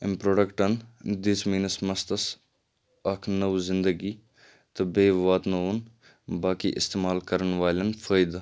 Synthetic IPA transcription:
ɪmpɾoːɖɐkʈɐnd̪ismiːnɐsmɐst̪ɐs | ɐkʰnɐʋzɪnd̪əɡi | t̪ɐbeːʋaːt̪nɐun | baːkḭʔɪ̰st̪eːmaːlkɐɾəɳʋaːlɐnfʰɐːjd̪a

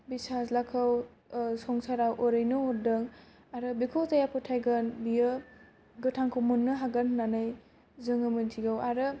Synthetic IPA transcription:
bisazlakʰɯw | sɔŋsaɾawʔoɾɯjnɯhɔt̚dɯŋ | aɾɯbikʰowtajapʰɯtʰajɡɯnbijɯ | ɡɯtʰaŋkʰumunːɯɦaɡanːanɯj | zɯŋɯmɯntʰiɡawaɾɯ

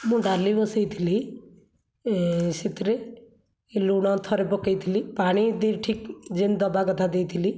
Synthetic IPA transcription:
mũɖalibɔsejt̪ʰili | sit̪ɾe | luɽ̃ɔ̃t̪ʰɔɾepɔkəjt̪ʰilipaɽ̃id̪iɾʈʰikd͡ʒend̪ɔbaɡɔt̪ʰad̪ejt̪ʰili

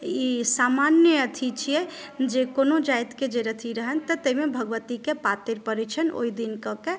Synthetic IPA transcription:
isamanjəət̪ʰit͡ʃʰijɛd͡ʒekonod͡ʒajt̪ked͡ʒeɾət̪ʰiɾəɦənt̪ət̪əimebʱəɡʋət̪ikepat̪iɾpəɾɛt͡ʃʰəno̰id̪inkəke

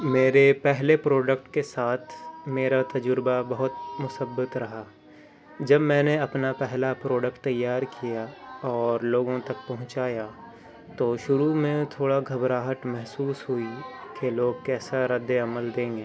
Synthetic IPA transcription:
meːɾepɛɦlepɾoːɖək̚ʈkesaːt̪ʰmeːɾat̪ɐd͡ʒʊɾbabɐɦʊt̪mʊsəbːət̪ɾɐɦaː | d͡ʒɐbmɛ̃ːneɐpnapɛɦlapɾoːɖəkʈ̚t̪ɐjːaːɾkʰijaɔːɾloːɡõt̪ɐk̚pɐɦʊ̃t͡ʃaːja | t̪oːʃʊɾumẽt̪ʰoːɽaɡʱɐbɾaːɦət̪mɛɦsuːsɦʊikeloːɡ̚kɛːsaɾɐd̪ːeɐməld̪ẽːŋɡeː

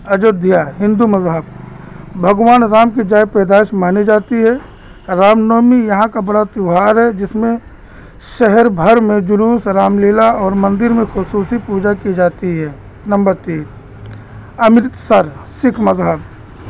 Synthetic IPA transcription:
ɐd͡ʒoːd̪ʱjaːɦɪ̃nd̪umɐzɦəb | bʱɐɡʋaːnɾaːmkid͡ʒaːjpɾɛːd̪aːʃmaːnid͡ʒaːt̪iɦɛ | ɾaːmnoːmijɐɦãkabɐɽat̪ʊɦaːɾɦɛd͡ʒɪsmẽ | ʃɛɦɛɾbʱəɾmẽd͡ʒʊluːsɾaːmleːlaɔːɾmɐ̃nd̪ɪɾmẽxʊsuːsipuːd͡ʒakid͡ʒaːt̪iɦɛː | nɐ̃mbəɾt̪iː | ɐmɪt̪səɾsɪkʰmɐzɦəb̚

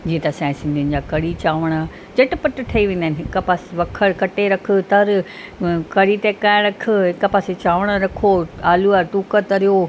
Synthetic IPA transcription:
d͡ʑiːẽt̪ɐsãːɪ̃sɪ̃nd̪ʱiɪnɪ̆d͡ʑaːkɐɽit͡ɕaːʋəɽ̃a | d͡ʑɐʈɪpɐʈʈʰɐiʋẽːnd̪aːnɪɦɪkpaːsʋɐkʰəɽkɐʈeɾɐkʰə̆t̪ɐɾ | kɐɽit̪ẽkãːɾɐkʰʊɦɪkəpaːset͡ɕaːʋəɽ̃əɾɐkʰoaːluaʈuːkət̪ɐɾijo

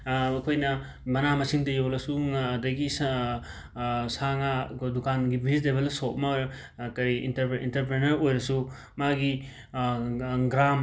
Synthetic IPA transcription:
ɐkʰojnɐ | mɐnamɐsiŋtɐjolɐsuŋadɐɡis | saŋadukanɡibʱistebelsot̚mɐjɾ | kɐjḭntɐɾḭntɐɾpɾenɐɾojɾɐsu | maɡi | ɡɾam

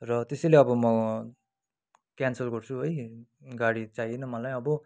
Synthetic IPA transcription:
rʌt̪esʌjleʌbʌmʌ | kjansʌlɡʌrt͡sʰuɦojɡaɽit͡sajenʌmʌlaj̃ʌbʌ

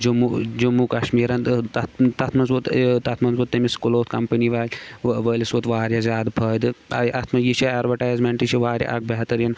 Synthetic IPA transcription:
d͡ʒumud͡ʒumukɐʃmiːɾɐnt̪ɐt̪t̪ɐt̪ʰmɐnzut̪t̪ɐt̪ʰmɐnzut̪ːɐmiskuloːt̪̚ʰkɐmpɐniʋaːlʲʋəːlʲisut̪ʋaːɾʲjɐzʲaːd̪pʰɐːd̪ɨɐ̰jʔɐt̪ʰmɐjiʃiaːɾʋɐʈaːjzmeɳʈiʃiʋaːɾja̰ʔɐ̰k̚bɐɦt̪ɐɾjin

